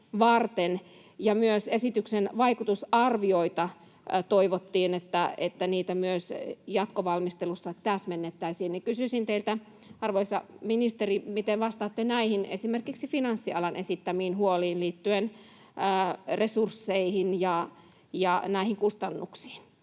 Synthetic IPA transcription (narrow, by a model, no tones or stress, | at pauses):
ʋɑrt̪en | jɑmyøsesit̪yksenʋɑikut̪usɑrʋioit̪ɑ | t̪oiʋot̪ːiːnet̪ːæet̪ːæniːt̪æmyøsjɑt̪koʋɑlmist̪elusːɑt̪æsmenːet̪ːæisiːnnikysysint̪eilt̪æ | ɑrʋoisːɑ̰minist̪erimit̪enʋɑst̪ɑːt̪ːenæihinesimerkiksifinɑnsːiɑ̰lɑnʔesit̪ːæmiːnhuoliːnliːt̪ːyenː | resursːeihinjɑ | jɑnæihiŋkust̪ɑnːuksi̥ːn